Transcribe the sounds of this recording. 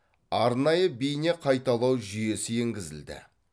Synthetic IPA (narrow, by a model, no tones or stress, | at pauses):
ɑɾnɑjəbijne̞qʰɑjt̪ɑlˠɑwʒʏje̞sɪeŋɡʲɪzɪ̰ld̪ɪ̰